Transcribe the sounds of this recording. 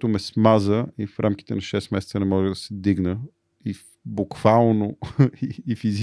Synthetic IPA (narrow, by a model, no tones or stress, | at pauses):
t̪ʊmɛsmazəifɾʔamki̥t̪ɛnɐʃɛsmɛsɛt̪sənɛmɔʒɛd̪ɐsɛd̪iɡnə | i | bukv̥alˠnoiːfiz